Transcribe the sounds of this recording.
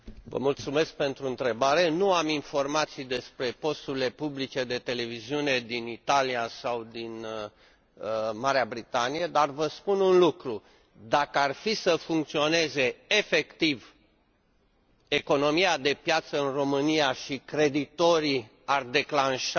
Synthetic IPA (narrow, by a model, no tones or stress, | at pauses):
və̰mult̪sume̞sk̚pe̞nt̪ɾuɨnt̪ɾe̞baɾe̞nuaminfo̞rmat̪sijd̪e̞spɾe̞po̞st̪uɾile̞publit͡ʃe̞d̪e̞t̪e̞le̞viziune̞d̪init̪aliasawd̪in | əmaɾeabɾit̪anijed̪arvəspununlukɾu | d̪akəarfisəfuŋkt̪sio̞ne̞ze̞ːfe̞kt̪iv | e̞ko̞no̞miad̪e̞pjat̪səɨnro̞mɨnijaʃikɾe̞d̪it̪o̞ɾi | ard̪e̞klanʃ